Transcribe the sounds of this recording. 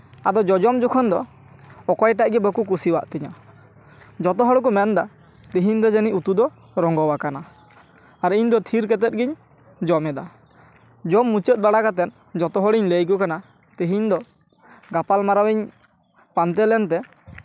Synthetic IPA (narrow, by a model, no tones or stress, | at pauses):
ad̪ɔd͡ʒɔd͡ʒɔmd͡ʒɔkʰɔnd̪ɔ | ɔkɔjʈaʔɡɛbəkuk̬usiwa̰ʔt̪ɛɲa̰ | d͡ʒɔt̪ɔɦɔɽk̬umɛnd̪a | t̪iɦiɲd̪ɔd͡ʒəniʔut̪ud̪ɔ | ɾɔŋɡɔwakana | aɾiɲd̪ɔt̪ʰiɾkɛt̪ɛt̪̚ɡiɲ | d͡ʒɔmɛd̪a | d͡ʒɔmːut͡ʃət̪̚ˀbaɽakat̪̬ɛn | d͡ʒɔt̪ɔɦɔɽiɲləjk̬ɔkana | t̪iɦiɲd̪ɔ | ɡapalmaɾawɛɲ | pant̪ɛlɛnt̪ɛ